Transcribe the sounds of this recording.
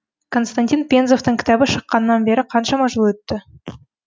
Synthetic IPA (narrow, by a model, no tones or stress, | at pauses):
kʰo̞nst̪anʲt̪ʲinpʲenzo̞ft̪əŋkʲɪ̥t̪ɑbɪʃəqːɑnənɑnbe̞ɾɪqʰɑnʃɑmɑʒəlˠwɵt̪ːɪ